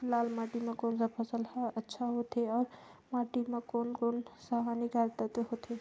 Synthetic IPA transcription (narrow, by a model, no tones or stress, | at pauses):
laːlmaʈimãkonsapʰəsələtːʃʰaɦot̪ʰeɔːɾmaːʈimẽkoːnkonsaɦaniɡaɾt̪ət̪ɦot̪ʰe